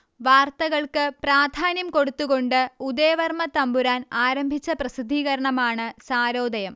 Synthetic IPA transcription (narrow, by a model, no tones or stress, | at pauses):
ʋaːrt̪ɐɣɐɭkɨpraːd̪ʱaːnjɐmko̞ɽut̪ːuɣo̞ɳɖɨud̪eːʋɐrmɐt̪ɐmbuɾaːnaːɾɐmbʱit͡ɕːɐprɐsid̪ʱːiːɣɐɾɐɳɐmaːɳɨsaːɾo̞ːd̪ɐjɐm